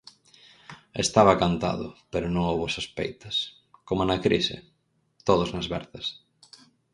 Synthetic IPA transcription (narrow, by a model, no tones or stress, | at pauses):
est̪aβɐkant̪a̰ðʊ̰peɾʊnõŋowβʊsospḛjt̪ɐs | komonɐkɾḭsɪ̰ | t̪oðʊznɐzβɛ̰ɾθɐs